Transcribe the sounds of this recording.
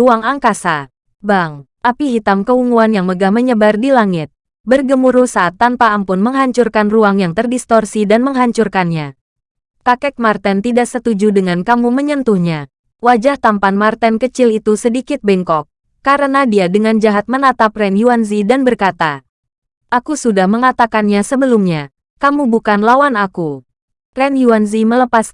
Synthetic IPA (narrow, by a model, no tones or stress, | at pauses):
uaŋaŋkasa | baŋ | ʔapiɦit̪amkəuŋuanjaŋməɡahməɲəbardilaŋɪt̪̚ | bərɡəmuɾuhsaʔːt̪ːanpaːmpʊnməŋɦaɲt͡ʃurkanruaŋjaŋt̪ərdist̪ɔrsidanməŋɦaɲt͡ʃurkanɲa | kakɛk̚mart̪ɛnt̪idaʔsət̪ud͡ʒudəŋankamuməɲənt̪uhɲa | wad͡ʒaht̪ampanmart̪ɛnkət͡ʃɪlit̪usədikɪt̪̚bɛŋkɔk̚ː | aɾənadiadəŋand͡ʒaɦat̪̚mənat̪ap̚rɛnjuanzidanbərkat̪a | ʔakusudahməŋat̪akanɲasəbəlumɲa | kamubukanlawanaku | rɛnjuanzimələpas